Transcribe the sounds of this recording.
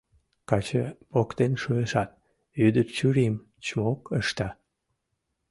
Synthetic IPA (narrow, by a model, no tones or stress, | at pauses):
kɑt͡ɕəpokt̪enʃueʃɑt̪̚ | yd̪ərt͡ɕyɾim | t͡ɕmokəʃt̪ɑ